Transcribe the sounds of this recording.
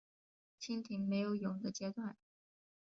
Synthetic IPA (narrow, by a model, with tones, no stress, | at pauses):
t͡ɕʰi˥ŋt̪ʰi˧˥ŋme˧˥ɪjo˨˧˥ʊjʊ˨˩ŋd̪ə˦t͡ɕjɛ˥t̪wa˥˩n